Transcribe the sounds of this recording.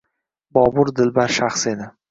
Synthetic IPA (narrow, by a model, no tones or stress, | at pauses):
bɒbʊɾd̪ɪlbaɾʃaχse̞d̪ɪ